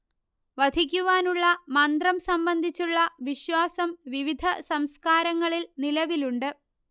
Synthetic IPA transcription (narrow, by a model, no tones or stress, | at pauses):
ʋɐd̪ʱik̬ʲːuʋaːnuɭːɐmɐnd̪rɐmsɐmbɐnd̪ʱit͡ɕːuɭːɐʋiɕwaːsɐmʋiʋid̪ʱɐsɐmskaːɾɐŋːɐɭilnilɐʋiluɳɖɨ